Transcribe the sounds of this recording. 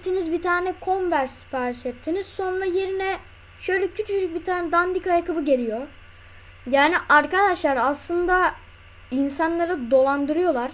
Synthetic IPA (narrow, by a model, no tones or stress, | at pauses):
t̪ʰːinizbit̪ʰaːnɛkʰo̞nvæɾspaɾʃet̪ʰːiniso̞nɾaje̞ɾinɛ | ʃø̞jlʲɛcʰyt͡ʃyyd͡ʒyc̚bit̪ʰaːnɛd̪and̪ikajakʰɯbɯɟe̞lʲijo̞ | jaːniʔaɾkad̪aʃlˠaɾaslˠɯnd̪a | insanlˠaɾɯd̪o̞lˠand̪ɯɾɯjo̞lˠaɾ̥